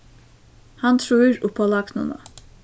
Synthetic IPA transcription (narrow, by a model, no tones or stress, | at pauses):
hant̪ɾuiɾupʰalˠakno̰na̰